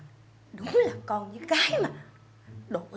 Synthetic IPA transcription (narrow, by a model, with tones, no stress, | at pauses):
ɗʊ˨˦ŋ͡mlaː˨˩kɔ˧nɲɨ˧˦kaː˨˦jmaː˨˩ | ɗo̰˧˨